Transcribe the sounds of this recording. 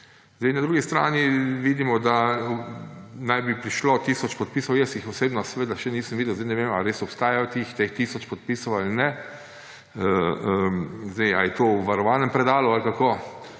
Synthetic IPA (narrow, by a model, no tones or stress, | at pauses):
zd̪ɛɪnad̪ɾuːɡist̪ɾa̰ːniʋiːd̪imɔd̪a | najbipɾiʃlot̪iːsɔt͡ʃpɔt̪̚piːsɔwjɛsjixɔseːbnɔsɛʋed̪aʃɛniːsəmʋid̪əwzd̪ɪnɛʋema̰ɾeːsɔpst̪aːjajɔt̪ixt̪ext̪iːsɔt͡ʃpɔt̪̚piːsɔwalnɛ | əəzd̪ɛjajɛt̪owʋaɾɔʋaːnɛmpɾɛd̪aːlualkakoː